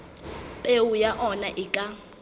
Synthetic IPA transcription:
pʼeujaʔɔnaʔɪkʼa

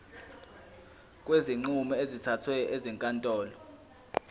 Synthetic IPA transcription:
kʼweziŋ͡ǀumɛezitʰatʰwɛjɔʔeziŋkʼantʼɔːlɔ

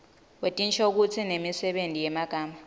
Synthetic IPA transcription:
wetʼint͡ʃʰauk̬ut͡sʰinemisɛɓendʱijɛmaɡ̥ʱaːma

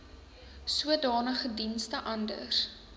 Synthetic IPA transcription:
suədɑːnəχədinstəʔɐndə̰r

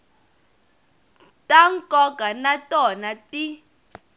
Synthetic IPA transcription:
tʼaŋ̩kʼɔɡʼanatʼɔnatʼi

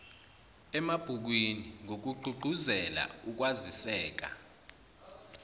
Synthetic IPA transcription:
ɛmab̥ʱuk̬winiŋok̬uɡ͡ǃʱuɡ͡ǃʱuzɛla̰uk̬wazisɛːk̬a̰

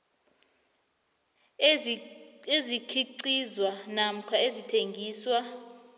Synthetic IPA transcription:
ezikʰiǀizwanam̩kʰwaezitʰeŋɡʱiːswa

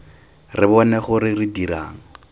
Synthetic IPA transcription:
rɪbɔnɛχʊɾɪrɪdiɾa̰ːŋ̩

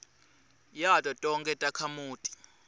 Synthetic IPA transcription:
jatʼɔtʼɔŋkʰʼɛtʼakʰamuːtʼi̥

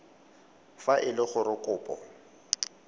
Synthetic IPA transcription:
faʔɪlɪχʊɾɪkʼʊːpʼɔ̰

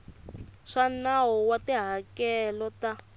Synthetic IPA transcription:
ʂanawɔwatiɦakɛlɔta

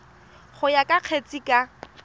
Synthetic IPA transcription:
χʊjakʼaq͡χʰet͡sʼikʼa

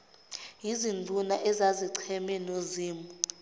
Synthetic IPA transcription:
jizind͡ɮʱunaʔɛzaziǀʰɛmɛnoziːmu

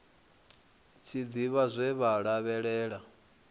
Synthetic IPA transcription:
t͡sʰid̪iβazʷɛβaɺaβɛɺɛːɺa

